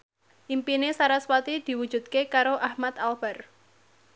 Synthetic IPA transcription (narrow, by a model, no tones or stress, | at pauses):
ʔimpinesaɾaswat̪id̪̥i̤wud̥ʒ̥ṳd̪̚kekaɾoʔahmat̪alb̥a̤r